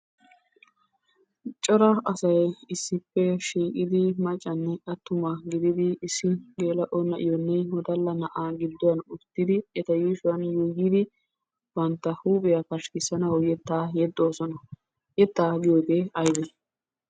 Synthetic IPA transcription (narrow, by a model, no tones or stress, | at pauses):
t͡ʃʼɔɾɐɐsɐjɪsːɪpːɛʃiːkʼɪd̪ɪmɐt͡ʃʼːɐnːɛkʼɐt̪ːʊmɐɡɪd̪ɪd̪ɪːsːɪɡeːlɐʔɔnːɐʔɪjɔnːɛwɔd̪ɐlːɐnɐʔaːɡɪd̪ːɔwɐnʊt̪ːɪd̪ɪɛt̪ɐjiːʃʊwɐnjojid̪ɪ | b̥ɐnt̪ːɐhuːpʼɪjɐkɐʃkɪsɐnɐwjɛt̪ːaːjɛd̪ːoːsɔnɐ | jɛt̪ːaːɡɪjoːɡ̪eɐjb̪ɛ